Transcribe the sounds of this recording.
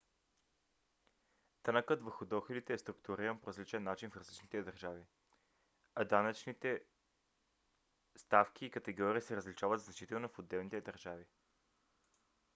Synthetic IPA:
t̪anakət̪vəɾxʊd̪ɔxɛlit̪ɛːst̪ɾʊkt̪uɾiɾənpoɾəzlit͡ʃɛnːat͡ʃinfɾɐzlit͡ʃnit̪ɛd̪əɾʒavi | ad̪anət͡ʃnit̪ɛ | st̪afkʲiːkɐt̪ɛɡɔɾiəsɛɾəzlit͡ʃavət̪znɐt͡ʃit̪ɛlˠnofod̪ːɛlˠnit̪ɛd̪əɾʒavi

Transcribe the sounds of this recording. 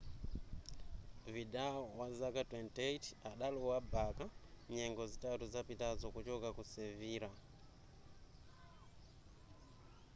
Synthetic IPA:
vidaɔwazakatwɛntetaɗalɔwabakaɲɛŋɡɔzitatuzapitazɔkut͡ʃɔkakusɛviːɾa

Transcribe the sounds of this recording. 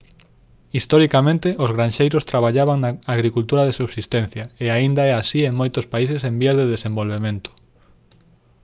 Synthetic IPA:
ist̪ɔɾikamẽnt̪ɪʔozɣɾanʃejɾʊst̪ɾaβ̞aʎaβaŋnaaɣɾikult̪uɾaðesuβsist̪ẽn̟θjɐeaind̪aɛasieŋmojt̪ʊspaisesembiazðeðesẽmbolβemẽnt̪ʊ̥

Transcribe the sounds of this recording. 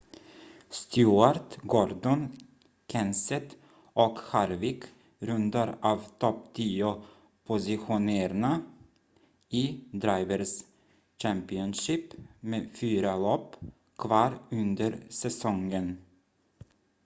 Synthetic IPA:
st̪ʰjuːaɾt̪ɡɔɾd̪ɔn | kʰɛnsɛt̪ | ʔɔkhaɾvɪk | ɾɵnd̪aɾɑːvt̪ʰɔpt̪ʰiːʊ | pʰʊsɪɧʊneːɾna | iːd̪ɾaɪvəɾs | ɕæmpɪɔnʂiːpmeːfyːɾalɔpː | kʰvɑːɾɵnd̪əɾsɛsɔŋən

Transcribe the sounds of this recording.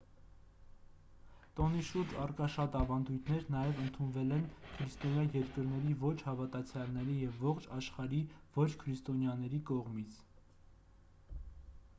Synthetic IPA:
t̪ɔniʃuɾd͡ʒɑrkɑʃɑt̪ɑvɑnd̪ujt̪ʰnɛɾnɑjɛvənt̪ʰunvɛlɛnkʰɾist̪ɔnjɑjɛɾkəɾn̪ɛɾivɔt͡ʃʰhɑvɑt̪ɑt͡sʰjɑlnɛɾijɛvːɔχt͡ʃʰɑʃχɑɾivɔt͡ʃʰkʰəɾist̪ɔnjɑnɛɾikɔʁmit͡sʰ

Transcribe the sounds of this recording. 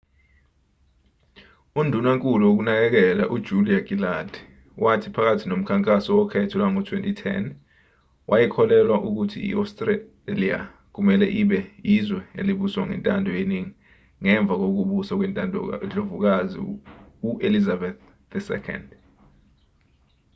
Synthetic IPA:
undʱunwaŋkʼuluwok̬unak̬ɛk̬ɛlaʔud̥ʒ̥ʱuliaɡ̥ilad̥ | wʔatʰipʰak̬atʰinom̩kʰaŋkʼasɔwɔkʰɛtʰɔlwaŋɔtʰwentʼitʰɛ̰n | wʔajɛkʰɔlɛlwaʔuk̬utʰḭḭʔa̰stʼre | lia̰ | k̬umɛlɛʔiɓɛjizwɛḛliɓuswaŋɛ̰ntʼandʱɔjeniŋi | ŋɛɱb̪vʱak̬ok̬uɓusak̬wɛnʼand͡ɮovuk̬azḭuʔelizabɛθ | ðɛsɛ̰kʰɔ̰nd

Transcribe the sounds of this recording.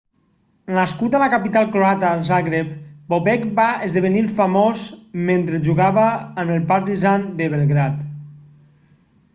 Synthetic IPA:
naskut̪alakapit̪alˠkɾoat̪azaɣɾepboβɛkbaezðeβenilˠfamozment̪ɾeʒuɣaβəːməlˠpat̪izand̪əβelˠɣɾat̪

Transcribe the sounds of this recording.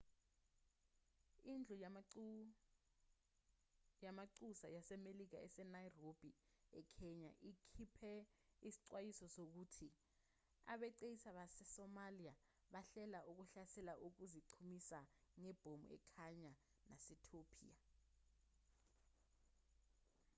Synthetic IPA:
ind͡ɮʱɔ | jamaǀusajasɛmelik̬aɛsɛnajrob̥ʱi | ɛkʰɛɲa̰ʔikʰipʰɛisi̥ǀwajisɔsok̬uːtʰi | a̰ɓɛǀejisaɓasɛsɔmalia | ɓaɬɛlaʔuk̬uɬasɛlaʔuk̬uziǀʰumisaŋɛb̥ʱomṵɛ̰kʰaɲa | nasɛtʰopʰḭa

